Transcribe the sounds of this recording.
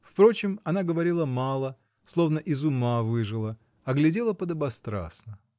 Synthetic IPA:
fpɾo̞t͡ɕɪmɐnaɡəvɐɾʲilˠəmɑlˠə | slˠo̞vnəʔɪzʊmavɨʐɨlˠə | ɐɡlʲɪdʲe̞lˠəpəd̪ɐbɐst̪ɾa̰snə

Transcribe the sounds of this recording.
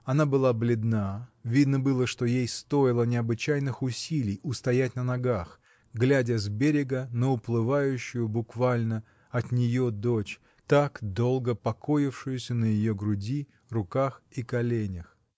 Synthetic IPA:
ɐnabɨlˠablʲɪd̪navʲid̪nəbɨlˠəʂt̪ojejst̪o̞ɪlˠənʲɪɐbɨt͡ɕæjnɨxʊsʲilʲɪjʊst̪ɐjætʲnənɐɡax | ɡlʲædʲəzbʲeɾʲɪɡənəʊplˠɨvajʉɕːʊjʊbʊkvalʲnə | ɐt̪nʲɪjo̞d̪ot͡ɕ | t̪akd̪o̞lˠɡəpɐkʰo̞jɪfʂɨjʊsʲənəjɪjoɡɾʊdʲi | rʊkaxikɐlʲenʲəx

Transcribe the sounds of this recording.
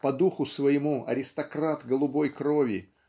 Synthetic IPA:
pɐd̪uxʊsvɐjɪmuɐ̰ɾʲɪst̪ɐkɾat̪ɡəlˠʊbo̞jkɾovʲɪ̰

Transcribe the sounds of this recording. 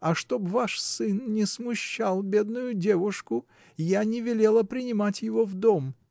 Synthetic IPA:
ɐʂt̪o̞bvaʂsɨnnʲɪsmʊɕːalˠbʲe̞d̪nʊjʊdʲevʊʂkʊ | janʲɪvʲɪlʲe̞lˠəpɾʲɪnʲɪmatʲjɪvo̞vd̪om

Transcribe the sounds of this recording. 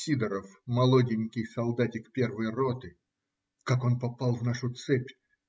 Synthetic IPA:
sʲid̪əɾəfmɐlˠodʲɪnʲkʲɪjsɐlˠd̪atʲɪkpʲe̞rvəjrot̪ɨ | kako̞npɐpalˠvnaʂʊt̪sɛpʲ

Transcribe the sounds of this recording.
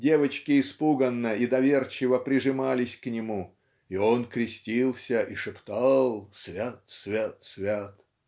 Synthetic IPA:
dʲe̞vət͡ɕkʲɪɪspuɡənːəid̪ɐvʲe̞rt͡ɕɪvəpɾʲɪʐɨmalʲɪsʲknʲɪmu | io̞nkɾʲɪsʲtʲilˠsʲəʔiʂɨpt̪ɑlˠsvʲat̪svʲat̪svʲat̪

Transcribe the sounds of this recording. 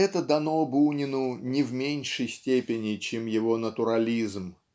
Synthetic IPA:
ɛt̪əd̪ɐnobunʲɪnʊnʲɪvmʲenʲʂəjsʲtʲepʲɪnʲɪt͡ɕemjɪvo̞nət̪ʊɾɐlʲizm

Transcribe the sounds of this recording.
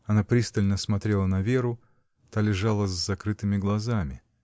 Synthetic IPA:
ɐnapɾʲist̪əlʲnəsmɐt̪ɾʲe̞lˠənɐvʲe̞ɾʊ | t̪alʲɪʐalˠəzːɐkɾɨt̪ɨmʲɪɡlˠɐzamʲɪ

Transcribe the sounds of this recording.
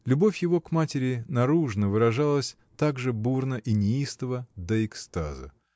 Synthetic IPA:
lʲʊbo̞fʲjɪvo̞kmatʲɪɾʲɪnɐɾuʐnəvɨɾɐʐalˠəsʲ | t̪aɡʐɨburnəʔɪnʲɪist̪əvəd̪əɪkst̪a̰zə̰

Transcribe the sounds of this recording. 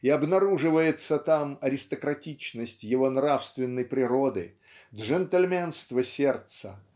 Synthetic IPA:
iɐbnɐɾuʐɨvəjɪt̪sət̪amɐɾʲɪst̪əkɾɐtʲit͡ɕnəsʲtʲjɪvo̞nɾafst̪vʲɪnːəjpɾʲɪɾod̪ɨ̰ | d̪ʐɛnt̪əlʲmʲenst̪vəsʲert̪sə

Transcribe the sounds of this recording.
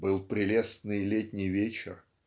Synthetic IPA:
bɨlˠpɾʲɪlʲest̪nɨjlʲetʲnʲɪjvʲet͡ɕɪ̰r

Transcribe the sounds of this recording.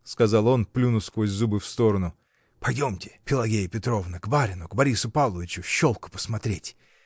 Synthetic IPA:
skɐzɑlˠo̞nplʲunʊskvosʲzubɨfst̪o̞ɾənʊ | pɐjdʲo̞mtʲɪ̥pʲɪlˠɐɡʲejɪpʲɪt̪ɾo̞vnəɡbaɾʲɪnʊɡbɐɾʲisʊpalˠəvʲɪt͡ɕʊɕːo̞lˠkʊ̥pə̥smɐt̪ɾʲetʲ

